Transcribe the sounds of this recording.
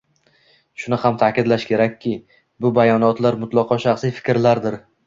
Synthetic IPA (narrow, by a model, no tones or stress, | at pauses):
ʃʊnɪhamt̪ʰaːkʲɪd̪laʃkʲʰe̞ɾakʲʰːɪ | bʊbajɒnɒt̪ʰlaɾmʊt̪lˠɒqʰɒʃaχsijfɪ̥kʲɾlaɾd̪ɪɾ